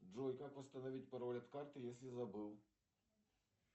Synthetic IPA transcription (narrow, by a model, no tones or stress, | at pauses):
ʐɔjkakʋɨst̪ɐnɐʋʲit̚ʲpɐɾɔlʲɐt̪kɑrt̪ɨjesʲlʲizɐbɨw